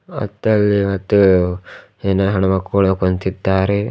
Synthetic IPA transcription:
ɐ̰t̪ːɐlːiʋɐt̪ːu | eːnɐɦɐɳɐmɐkːuːɭɐkont̪id̪ːaːɾe

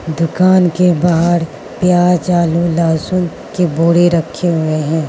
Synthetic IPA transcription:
d̪ʊkaːnkebaɦəɽ | pjaːt͡ʃaːlulaːsʊn | keboːɽeɾɐkʰːeɦʊeɦɛ̃ː

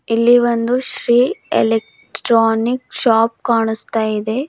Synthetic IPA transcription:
ilːiʋond̪uʃɾiːḛlek̚ | ʈɾaːnikʃaːp̚kaːɳust̪aːjid̪e̞

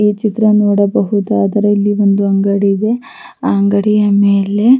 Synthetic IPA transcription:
iːt͡ʃit̪ɾɐnoːɽɐbɐɦud̪aad̪ɐɾɐilːiʋond̪uɐŋɡɐɽiːd̪e̞ | aːɐŋɡɐɽijɐmeːle̞

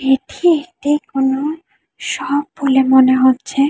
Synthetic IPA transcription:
eʈʰiek̚ʈikono | ʃɔbːolemoneɦotːɕʰe

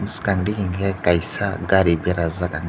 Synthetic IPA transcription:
muskaŋɾikiŋɡɛkaisaɡaɾibjaɾazakaŋ

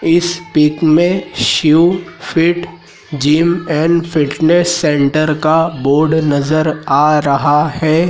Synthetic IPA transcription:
ɪspɪkmẽʃufɪʈ | d͡ʒiːmɛːnfʰɪʈnesːɛ̃ːɳʈəɾkaboːɾɖnɐzəɾaːɾɐɦahɛː

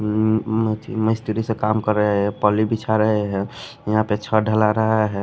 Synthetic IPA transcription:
ət̪ʰḭməɪst̪iɾisẽkamkəɾəɦɦɛpɔlibit͡ʃʰaɾəɦeɦɛ | jəɦãpet͡ʃʰəɖʱəlaɾəɦəɦɛ

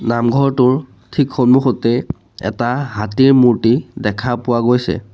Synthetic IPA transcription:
namɡʱɔɹtʊɹ | tʰikxɔnmuxotɛ | ɛ̰taɦatiɹmuɹtidɛkʰapʊwaɡojsɛ̰

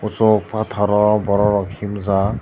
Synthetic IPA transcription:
usɔk̚pat̪ʰaɾɔbɔɾɔɾɔkʰimza

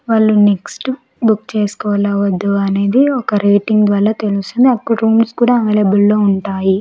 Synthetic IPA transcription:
ʋaːɭːuneksʈ | bukt͡ʃe̞ːskɔːʋlaːʋɐd̪ːuɐne̞ːd̪iɔkɐɾeːʈiŋɡd̪ʋaːɾaːt̪elust̪und̪iɐkːuʈɾuːmskuːɽaːɐmelebulːo̞ːuɳʈaːji

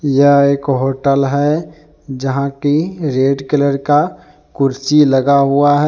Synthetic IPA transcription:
jəɦeːkɦoːʈəlɦɛ | d͡ʒəɦãkiɾeːɖkɪləɾka | kʊɾt͡ʃiləɡaɦuaɦɛ

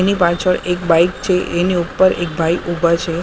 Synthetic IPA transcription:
enipat͡ʃʰəɭekbajkt͡ʃʰeʔeniupːəɾek̚bʱajʔubat͡ʃʰe

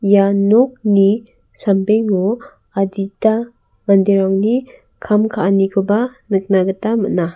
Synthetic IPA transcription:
janɔk̚ni | sampeŋo | adita | bandiɾawni | kʰamkʰaʔnikʰɯbanɯk̚naɡɯtamɯna

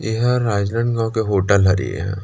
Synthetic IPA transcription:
jeɦɾaːd͡ʒlə̃ɳɡãwkeɦoːʈəlɦɐɾḭḛɦɛ̰̃ː

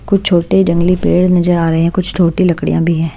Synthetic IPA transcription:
kʊt͡ʃʰt͡ʃʰoːɽʈeɦid͡ʒɐ̃ŋɡlipḛːɽnɐzəɾaːɾɐɦeɦɛ̃kʊt͡ʃʰʈʰoːʈilɐkɽijã̰bʱiɦɛ̃ː

